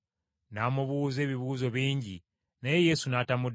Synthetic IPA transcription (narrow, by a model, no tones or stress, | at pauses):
namuβuːze̞ːβiβuːzo̞βiːɲɟḭ | naje̞je̞sunatamud